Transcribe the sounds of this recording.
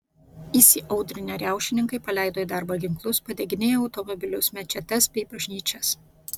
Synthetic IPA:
isʲɪʔɒʊd̪ʲɾʲɪnʲeɾʲæˑʊʃʲɪnʲɪŋkɐɪpɐlʲæˑɪd̪oːɪd̪ɑˑɾbɐɡʲɪŋklˠʊspɐd̪ʲɛɡʲɪnʲeːjoːɐʊt̪ɔmɔbʲɪlʲʊsmʲɛt͡ʃʲɛt̪ʲɛsbʲɛɪbɐʒʲnʲiːt͡ʃʲɛs

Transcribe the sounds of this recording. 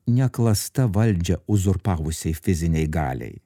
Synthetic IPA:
nʲɛklˠɐst̪ɐʋɐlʲd͡ʒʲɛʊzʊɾpɑːʋʊsʲɛɪfʲɪzʲɪnʲɛɪɡɑ̰ːlʲɛ̰ɪ

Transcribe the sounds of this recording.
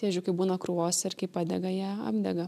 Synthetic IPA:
t̪ʲeːd͡ʒʲʊkɐɪbuːnɐkɾuoːsʲɪrkɐɪpɑːd̪ʲɛɡɐjɛːɐ̰bʲd̪ʲɛɡɐ

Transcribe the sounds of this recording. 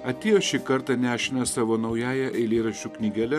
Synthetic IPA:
ɐt̪ʲeːjoːʃʲɪkɐɾt̪ɑnʲæːʃʲɪnʲɐsɑːʋoːnɐʊjæːjɛʔɛɪlʲeːɾɐʃʲuːknʲiːɡʲɛlʲɛ

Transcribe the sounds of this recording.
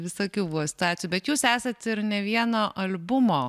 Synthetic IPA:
ʋʲɪsoːkʲuːbuɔsʲɪ̥t̪ʊɑːt̪ʲsʲjuːbʲɛt̪juːsæːsɐt̪ɪɾnʲɛʋʲiɛnoːʔɐlʲbʊmoː

